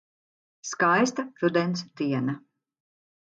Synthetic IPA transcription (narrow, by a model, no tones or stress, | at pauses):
skajst̪apɾud̪ɛnt̪sd̪iɛna